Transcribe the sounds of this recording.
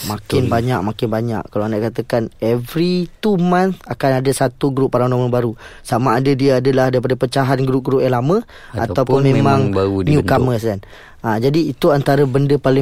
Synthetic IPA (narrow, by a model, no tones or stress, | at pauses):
makɪnbaɲaʔ̚makɪnbaɲa̰ʔkalawanaʔkat̪əkanɛvɾit̪umãnakanadəsat̪uɡɾupːaɾanaməbaɾusamaːdadiəadəlahdaɾip̬adapət͡ʃaɦanɡɾup̚ɡɾup̚jalamə̃ | a̰t̪awpʊnmẽmãŋauniukaməskan | ad͡ʒadiːt̪uant̪aɾəbəndəpalɪ